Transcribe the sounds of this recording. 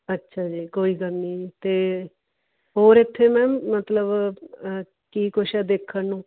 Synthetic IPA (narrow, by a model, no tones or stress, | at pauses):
ətːʃʰaːd͡ʒiːkoːiːɡənːiːt̪eː | ɦoːɾɪt̪ʰːeːmɛ̃ːət̪ləb | kiːkoʃɛːd̪eːkʰːənnũː